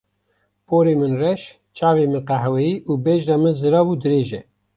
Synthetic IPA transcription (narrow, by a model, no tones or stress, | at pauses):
poːɾeːmɨnrɛʃ | t͡ʃʰaːvemɨnqæɦɛwɛjiːʔuːbɛʒɾɑmɨnzɨɾɑːbud̪ɨɾeːʒɛ